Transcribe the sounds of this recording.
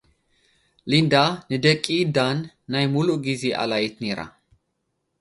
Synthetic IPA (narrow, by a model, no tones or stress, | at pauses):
lind̪anɨd̪əkʼːid̪anː | ajmuluʔɡizeʔa̰lajɛt̪neɾa̰